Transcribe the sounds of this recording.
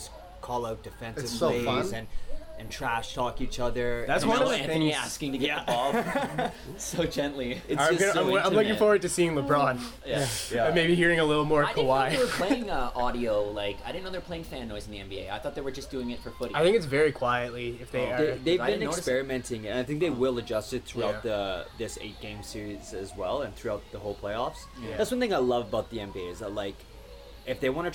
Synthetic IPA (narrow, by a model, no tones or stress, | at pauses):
ʌs | kʰɔlˠaʊt̚d̥ɨfɛ̃nɨsoʊeɪfʌ̃nzɨ̃nɨ̃ntʰɹ̥æʃtʰɔkit͡ʃʌðə˞ðætswʌ̃nʌ̃ɪ̃ŋæskɪ̃ŋtʰɨɡɛbɔ | soʊd͡ʒɛ̃nʔliɨʌɡʌaɪ̃ãɪ̃mlʊkɪ̃ŋfɔɹwə˞d̚tɨsiɪ̃ŋləbɹɑ̃njæjæʌmeɪbihiɹɪ̃ŋəlɪɾl̩ˠmɔɹkʰəwaɪwə˞pʰleɪɪ̃ŋəʔɔɾioʊlaɪkaɪɾɪdⁿnoʊðə˞pʰleɪɪ̃ŋfæ̃nːɔɪzn̩ðiɛ̃nbieɪaɪθɔt̪̚ðeɪwə˞d͡ʒʌsd̥ʉɪ̃ŋɨtfə˞fʊɾiaɪθɪ̃ŋkɨtsvɛɹikʰw̥aɪɨtˡliɪfðeɪəeɪðeɪvdbɨnɨkspɛɹɨmɛ̃ntɪ̃ŋɨ̃naɪθɪ̃ŋk̚ðeɪwɪlˠəd͡ʒʌstɨt̪̚θɹʉaʊt̪̚ðəðɪsḛɪt̚ɡ̥ẽɪ̃msɪɹiz̥ɨzwɛlˠə̃nθɹʉaʊt̪̚ðəɦoʊlˠpʰl̥eɪɔfs | ðætswʌ̃nθɪ̃ŋaɪlʌvəbaʊt̪̚ðiɛ̃mbieɪzəlaɪk | ɨfðeɪwɑ̃nɨ